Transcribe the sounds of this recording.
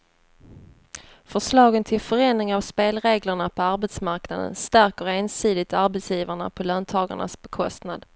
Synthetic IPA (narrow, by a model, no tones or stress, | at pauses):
fœʂlɑːɡənt̪ʰɪlfœɾɛːnɪŋavspeːlɾeːɡləɳapʰɔaɾbɛt̪smaɾknad̪ə̰nst̪æɾkəɾeːnsiːd̪ɪt̪aɾbɛt̪sjiːvaɳa̰pʰɔlœːnt̪ʰɑːɡa̰ɳa̰sbɛkʰɔst̪na̰d̪